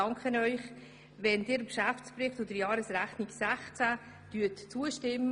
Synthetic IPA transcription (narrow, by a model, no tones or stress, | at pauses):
ɑŋkχənœʏχ | vɛnd̥ɪːɾkʃæft͡spɾɪχtod̪əɾjɑːɾəsɾæχniksæχt͡sæ | d̥yətt͡suəʃtɪmː